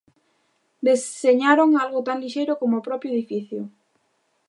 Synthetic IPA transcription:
d̪eseɲaɾoŋalɣʊt̪aŋliʃejɾʊkomoːpɾɔpɾjoeðifiθjʊ

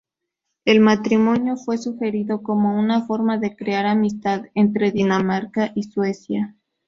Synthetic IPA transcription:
e̞lmat̪ɾimo̞njo̞fwe̞suxe̞ɾiðo̞ko̞mo̞unafo̞ɾmaðe̞kɾeaɾamist̪aðent̪ɾe̞ðinamaɾkaʔiswe̞sja

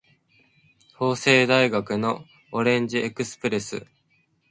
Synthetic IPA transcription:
ho̞ːse̞ːd̪aiɡakɯ̟no̞ː | ɾẽ̞ɲ̟d͡ʑiekɯ̟sɨ̥pɯ̟ɾe̞sɨ̰

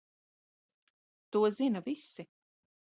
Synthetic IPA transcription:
t̪uɔzinavisi

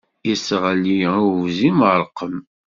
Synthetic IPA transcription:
jəsʁlːivzimʁəɾˤqːəm

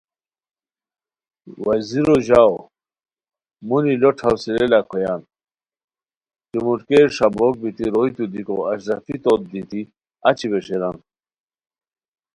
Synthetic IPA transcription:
waziɾoʑao | muniloʈʰawsilelakʰojan | t͡ɕumuʈkeɾʂabok̚bit̪iɾojt̪ud̪iko̰ɐɕzafit̪ot̪̚d̪it̪i | at͡ɕibeɕeɾan

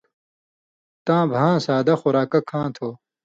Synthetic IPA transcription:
t̪ãːbʱãːsaːd̪ɐxuɾaːkɐkʰãːt̪ʰoː

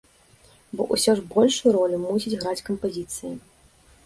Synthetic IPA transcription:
bɔʔusʲɔʐbɔlʲʂujuɾɔlʲumus̬ʲid͡zʲɣɾat͡sʲkɐmpazʲit̪sɨji

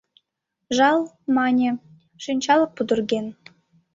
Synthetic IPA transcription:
ʒɑlˠ | mɑnʲĕ | ʃinʲt͡ɕɑlˠɤ̆k̚pud̪ɤ̆rɣen

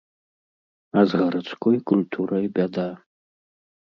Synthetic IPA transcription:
azɣaɾaskʰɔjkʼulʲt̪ʰuɾʔɐjpʲʼad̪a

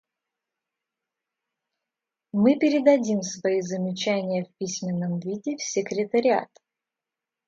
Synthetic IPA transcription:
mɨpʲɪɾʲɪd̪ɐdʲimsvɐizəmʲɪt͡ɕænʲɪjəfpʲisʲmʲɪnːəmvʲidʲɪfsʲɪkɾʲɪt̪əɾʲɪa̰t̪

